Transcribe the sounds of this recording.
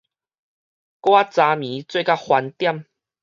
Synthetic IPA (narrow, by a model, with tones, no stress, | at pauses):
kwa˦t͡sa˧mĩ˨˦t͡swe˥˧˨ka˦hwa˧nt̪ja˥˨m